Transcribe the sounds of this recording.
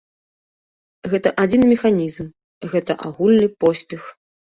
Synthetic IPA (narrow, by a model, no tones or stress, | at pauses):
ɣɛt̪ɐʔad͡zʲinmʲɛxanʲizm | ɣɛt̪ɐʔaɣulʲnɨpɔsʲpʲɛx